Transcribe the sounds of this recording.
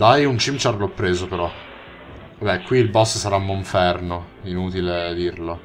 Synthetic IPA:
d̪ajunt͡ʃimt͡ʃaɾlɔpːɾeːzopeɾɔ | vabɛkwiːlbɔssaɾamːoɱfɛrnoinut̪iled̪irlo

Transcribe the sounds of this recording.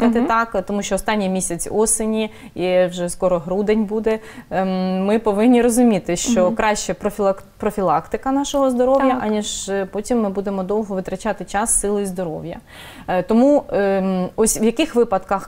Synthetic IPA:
ɐt̪ɪt̪ɑkt̪ɔmuʃʲt͡ʃɔːst̪ɑnʲːijmʲisʲɐt͡sʲɔsɪnʲi | iwʒɛskɔɾɔɦɾud̪enʲbud̪ɛ | mɪpɔʋɪnʲːiɾɔzʊmʲit̪ɪʃt͡ʃɔkɾɑʃt͡ʃɛpɾɔpɾɔfʲilˠɑkt̪ɪkɐnɑʃɔɦɔzd̪ɔɾɔʋjɐʔɐnʲiʒpɔtʲimːɪbud̪emɔd̪ɔw̪ˠɦɔʋɪt̪ɾɐt͡ʃɑt̪ɪt͡ʃɑsːɪlˠɪizd̪ɔɾɔ̰wjɐ̰ | t̪ɔmu | ɔsʲʋjɐkɪxʋɪpɐd̪kɐx

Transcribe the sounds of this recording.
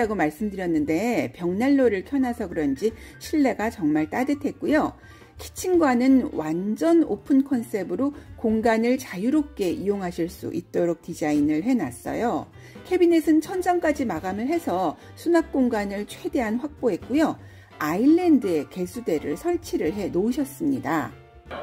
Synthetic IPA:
aɡomaɭs͈ɯmdɯɾjʌnːɯnde̞pjʌŋnaɭːoɾɯɭkʰjʌnasʰʌkɯɾʌnd͡ʑiɕʰiɭːe̞ɡat͡ɕʌŋmaɭt͈adɯtʰe̞t̚k͈ujo | kʰi̥t͡ɕʰinɡwanɯnwand͡ʑʌnopʰɯnkʰʌns͈e̞bɯɾokoŋɡanɯɭt͡ɕajuɾop̚k͈e̞ijoŋɦaɕʰiɭs͈ṵʔit̚t͈oɾok̚tid͡ʑainɯɭɦe̞nas͈ʌ̰jo | kʰe̞binesʰɯnt͡ɕʰʌnd͡ʑʌŋk͈ad͡ʑimaɡamɯɭɦe̞sʰʌ | sʰunak̚k͈oŋɡanɯɭt͡ɕʰwe̞de̞ɦanɸwak̚p͈oɦe̞t̚k͈ujo | aiɭːe̞ndɯe̞ke̞sʰude̞ɾɯɭsʰʌɭt͡ɕʰiɾɯɭɦe̞nouɕʰʌs͈ɯmɲida̰

